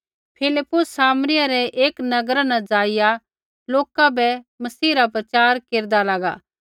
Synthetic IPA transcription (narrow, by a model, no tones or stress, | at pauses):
pʰɪlɪpːʊsːaːmnɪjaɾɛʔeːknɐɡɾanãd͡ʒaːɪja | loːkabɛmɐsiːɾap̬ɾɐt͡ʃaːɾkeːɾd̪alaːɡa̰ː